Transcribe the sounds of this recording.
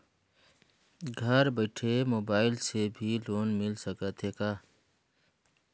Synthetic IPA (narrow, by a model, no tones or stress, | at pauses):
ɡʱɐɾbɐʈʰemoːbaːɪlsebʱiloːnmɪlsɐkət̪ɦekaː